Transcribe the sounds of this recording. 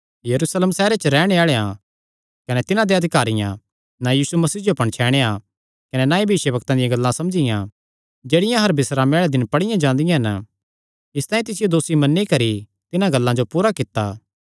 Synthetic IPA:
jɐɾusleːmsɛːɾet͡ʃəɾɛːɽ̃eaːɭeã | kɐnet̪ɪnãd̪eɐd̪ʱɪkaːɾɪjã̰ | najiːsumɐsiːd͡ʒoɐpɐɽ̃t͡ʃʰɛːɽ̃ea | kɐnenaːibʱɪʃəbɐkt̪ãd̪ɪjãɡɐlːãsɐmd͡ʒɪjã | d͡ʒeːɽɪjãɦɐɾbɪsɾaːmeaːɭed̪ɪnpɐɽɪjãd͡ʒãːnd̪ɪjãɦɐn | ɪst̪aːĩt̪̬ɪsɪjod̪oːsimɐnːikɐɾi | t̪ɪnãɡɐlːãd͡ʒopuːɾakɪt̪ːaː

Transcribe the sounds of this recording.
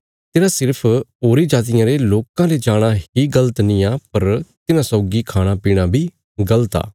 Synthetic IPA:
t̪ɪnãːsɪɾpʰoːɾiːd͡ʒaːt̪ɪjãːɾeloːkãːled͡ʒaːɽ̃aːhiːɡələt̪nɪ̃jãːpəɾt̪ɪnãːsɔːɡikʰaːɽ̃aːpiːɽ̃aːbʱiː | ɡələt̪a̰ː

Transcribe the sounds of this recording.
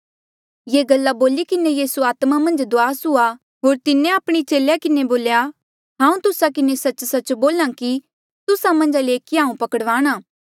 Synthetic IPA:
jeːɡɐlːaboːlikɪnejiːsuaːt̪mamɐ̃nd͡ʒd̪oaːsɦʊa | ɦoːɾt̪ɪnẽaːpɽ̃it͡ʃeːljakɪneboːlja | ɦãːũt̪ʊsakɪnesɐt͡ʃsɐt͡ʃboːlãki | t̪ʊsamɐ̃nd͡ʒaleːkiɦãːũpɐkəɽʋaːɽ̃aː

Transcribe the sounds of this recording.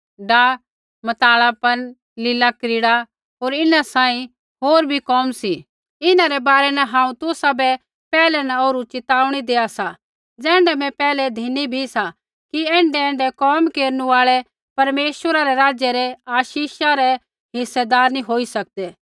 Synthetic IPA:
ɖaː | mɐt̪aːɭapɐn | lɪlakɾɪɽa | ɦoːɾɪnasãːĩ | ɦoːɾbʱikɔːmsi | ɪnãɾɛbaːɾɛnɛɦãːũt̪ʊsabɛ | pɛːlɛnaoːɾut͡ʃɪt̪aːuɽ̃id̪eːasa | d͡zɛ̃ːɳɖɛmɛ̃pɛːlɛd̪ʱinibʱisa | kiɛ̃ːɳɖɛɛ̃ːɳɖɛkɔːmkeːɾnuaːɭɛ | pɐɾmeːʃwəɾaɾɛɾaːd͡ʒjɛɾɛaːʃiːʃaɾɛ | ɦɪsːɛd̪aːɾnĩɦoːisɐk̚d̪ɛː

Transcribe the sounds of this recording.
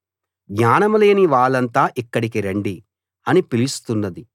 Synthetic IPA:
ɡɲaːnɐmule̞ːniʋaːɭːɐnt̪aːʔikːɐɽikiɾeɳɖi | ɐnipilist̪unːɐd̪i

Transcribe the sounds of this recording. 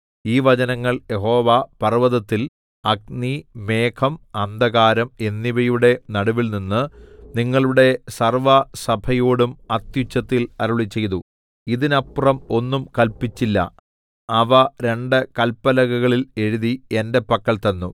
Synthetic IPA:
iːʋɐt͡ɕɐnɐŋːɐɭje̞ɦo̞ːʋapɐrʋɐðɐt̪ːil | ɐɡ̚nime̞ːkʰɐmɐnd̪ɐɣaːɾɐme̞nːiʋɐjuɽe̞nɐɽuʋilninːɨniŋːɐɭuɽe̞sɐrʋɐsɐbʰʱɐjoːɽumɐt̪jut͡ɕːɐt̪ːilɐɾuɭit͡ɕːe̞jt̪u | iðinɐpːrɐmo̞nːumkɐlpit͡ɕːilːɐ̰ | ɐʋɐɾe̞ɳɖɨkɐlpːɐlɐɣɐɣɐɭile̞ɻuðie̞nde̞pːɐkːɐɭt̪ɐnːu

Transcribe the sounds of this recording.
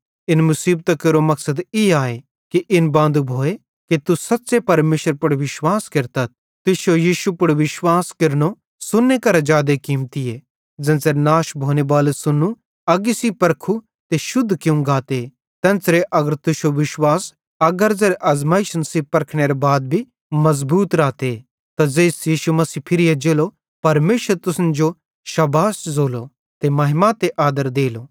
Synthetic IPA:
ɪnmʊsiːb̚t̪akɪɾomɐksəd̪iaːe | kiʔɪnbãːnd̪ubʱoːe | kit̪usɐtːsepɐɾmeːʃəɾpʊɽʋɪʃwaːskɪɾt̪ət̪̚ | t̪ʊʃojiːʃupʊɽʋɪʃwaːskɪɾno | sʊnːekɐɾad͡ʒaːd̪ekiːmt̪ijeː | d͡zɐ̃nsenaːʃbʱoːnebaːlesʊnːu | ɐɡisipɐɾkʰu | t̪eʃʊd̪ʱːkjũɡaːt̪e | t̪ɐ̃nt͡sɾeʔɐɡəɾt̪ʊʃoʋɪʃwaːs | ɐɡəɾzeɾeʔɐzmaːiʃɐnsiːpɐɾkʰɽ̃eɾebaːd̪̚bʱi | mɐzbuːt̪ɾaːt̪e | t̪azeːsjiːʃumɐsiːpʰɪɾijed͡ʒeːlo | pɐɾmeːʃəɾt̪ʊsnd͡ʒo | ʃɐbaːszoːlo | t̪emɐɦɪmat̪eʔaːd̪əɾd̪eːloː

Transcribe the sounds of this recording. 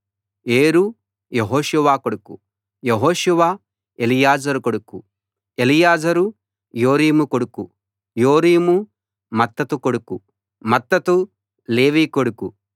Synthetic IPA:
eːɾu | jeɦoːʃuʋaːkoɽuku | jeɦoːʃuʋaː | elijaːd͡ʒɐɾukoɽuku | elijaːd͡ʒɐɾu | joːɾiːmukoɽuku | joːɾiːmu | mɐt̪ːɐt̪ukoɽuku | mɐt̪ːɐt̪u | le̞ːʋiːkoɽuku

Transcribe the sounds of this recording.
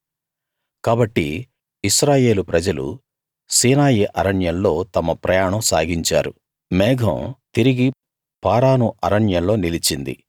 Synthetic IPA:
kaːbɐʈːḭː | ʃɾaːje̞ːlupɾɐd͡ʒɐlṵ | siːnaːjiʔɐɾɐɳjɐnlo̞ːt̪ɐmɐpɾɐjaːɳɐmsaːɡiɲt͡ʃa̰ːɾu | mɛːɡʱɐ̰̃mt̪iɾiɡi | paːɾaːnuʔɐɾɐɳjɐmlo̞ːnilit͡ʃind̪ḭ

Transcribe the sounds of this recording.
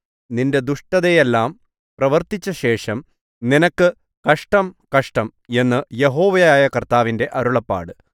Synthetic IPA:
ninde̞d̪uʂʈɐðejelːaːm | prɐʋɐrt̪it͡ɕːɐɕe̞ːʂɐm | ninɐkːɨ | kɐʂʈɐmkɐʂʈɐm | e̞nːɨje̞ɦo̞ːʋɐjjaːjɐkɐrt̪aːʋinde̞ʔɐɾuɭɐpːa̰ːɽɨ

